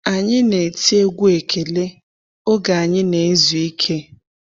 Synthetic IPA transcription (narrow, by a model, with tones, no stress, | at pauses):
a˨ɲɪ˦ne˨ti˦e˦ɡu˦e˨kʰe˨le˦ | o˦ɡa˨a˨ɲɪ˦ne˨e˦zwi˦kʰe˦